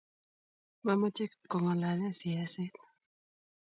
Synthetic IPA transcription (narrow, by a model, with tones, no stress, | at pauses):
ma˦mɔ˦t͡ʃɛ˦kkːɔ˨ŋɔ˨la˨la˦˨si˨a˨sɪ˦t̪̚